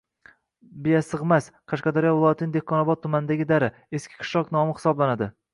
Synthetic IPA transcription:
bejasɨʁmasqʰɑʃqɑd̪aɾijɒvɪlˠɒjat̪ʰɪnd̪ehkʰːɒnɒbɒt̪̚ʰːʊmanɪd̪aɡʲɪd̪aɾɪ | eskʲʰɪ̥qʰɨ̥ʃlˠɒknɒmɪχɪ̥sɒblanad̪ɪ

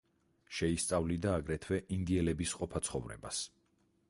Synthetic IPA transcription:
ʃɛist̪sʼavlid̪aːɡɾɛt̪ʰwɛʔind̪iɛlɛbisqʼɔpʰat̪sʰχɔvɾɛ̰ba̰s

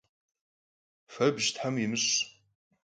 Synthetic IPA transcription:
fɐbʒtʰħamimɨɕ

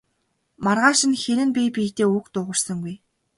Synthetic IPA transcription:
marʁaːʃĭnxeɾɘ̆npʲipʲiːt̪eːukt̪ʊːʁə̆rsə̆ŋɡuj

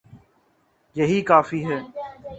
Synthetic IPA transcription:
jɐɦiːkaːfiːɦɛː

